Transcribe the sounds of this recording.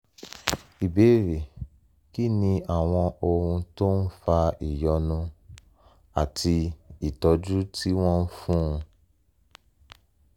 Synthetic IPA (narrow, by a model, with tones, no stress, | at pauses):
i˨be˨˦˨ɾe˨ | ki˦nĩ˧a˨w̃ɔ̃˧o˨hũ˧to˦n̩˦fa˧i˨jɔ˧nũ˧ | a˨tʰi˧i˨tɔ˧d͡ʒu˦tʰi˦w̃ɔ̃˦n̩˦fũ˦ũ˧